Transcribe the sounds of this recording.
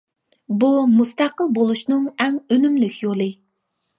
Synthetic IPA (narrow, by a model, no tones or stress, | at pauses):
bumust̪æqəlˠbolˠuʃnɨŋɛŋønymlykʲjolˠɨ